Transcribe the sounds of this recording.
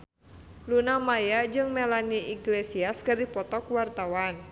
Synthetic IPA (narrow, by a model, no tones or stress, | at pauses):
lunamajad͡ʒɨŋmelaniʔiɡlesiaskaripɔt̪ɔkwart̪awan